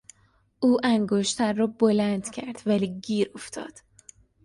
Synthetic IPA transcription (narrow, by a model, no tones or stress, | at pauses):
ʔuːʔæŋɡoʃt̪ʰæɾːɒːbolænd̪̥cʰæɾd̪̥væliːɡiːɾoft̪ʰɒ̰ːd̪̥